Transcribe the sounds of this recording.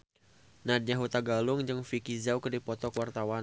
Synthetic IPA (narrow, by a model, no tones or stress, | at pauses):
nad̚ɲaɦut̪aɡalʊŋd͡ʒɨŋfikizawkərdipɔt̪ɔkwart̪awa